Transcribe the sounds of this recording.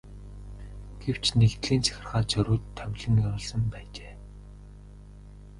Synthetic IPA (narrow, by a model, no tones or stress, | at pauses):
ɡ̥ew̥t͡ɕʰnekt̪ɮiːnt͡sʰæ̥xʲɪ̆rχaːt͡sʰœɾʊːt̪ʰːœwʲɮɘ̆njaɾʊːɮsɞ̆mpæːt͡ɕeː